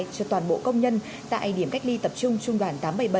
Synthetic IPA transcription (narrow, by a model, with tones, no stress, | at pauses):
t͡ɕɔː˧˩t̪waː˨˩nɓo̰˧˨kə˧wŋ͡mɲə˧n | t̪a̰ː˧˨jɗi˧˩əmka˦˥jk̚li˧t̪ə˨˩p̚t͡ɕʊ˧ŋ͡mt͡ɕʊ˧ŋ͡mɗwaː˧˩nt̪aː˨˦mɓə˧˩jɓə˧˩